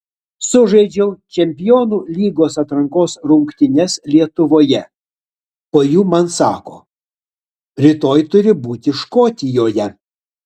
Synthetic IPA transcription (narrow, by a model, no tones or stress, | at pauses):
sʊʒɐɪd͡ʒʲɛʊt͡ʃʲɛmʲpʲɪjoːnuːlʲiːɡoːsɐt̪ɾɐŋkoːsɾʊŋkt̪ʲɪnʲɛslʲiɛt̪ʊʋoːjɛ | poːjuːmɐnsɑːko̰ː | ɾʲɪt̪oːjt̪ʊɾʲɪbuːt̪ʲɪʃkoːt̪ʲɪjoːjɛ